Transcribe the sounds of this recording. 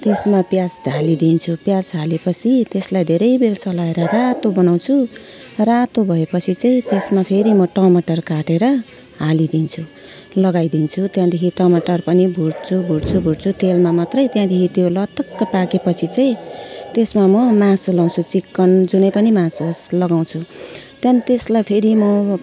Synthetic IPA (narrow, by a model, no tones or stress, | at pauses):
t̪esmapjasd̪ʱalid̪int͡sʰupjasɦalepʌt͡sʰit̪eslajd̪ʱeɾʌjbelsʌlaeɾʌrat̪obʌnaw̃t͡sʰu | rat̪obʱʌepʌt͡sʰit͡sʌĩt̪esmapʰeɾimʌʈʌmaʈʌrkaʈeɾʌ | ɦalid̪int͡sʰu | lʌɡajd̪int͡sʰut̪jãd̪ekʰiʈʌmaʈʌrpʌnibʱuɽt͡sʰubʱuɽt͡sʰubʱuɽt͡sʰut̪elmamʌt̪rʌjt̪jãd̪ekʰit̪jolʌt̪ːʌkt̪ʌpakepʌt͡sʰit͡saĩt̪esmamʌmãsulaw̃t͡sʰut͡sikːʌnd͡zunʌjpʌnimãsslʌɡaw̃t͡sʰu | t̪janit̪eslajpʰeɾimʌ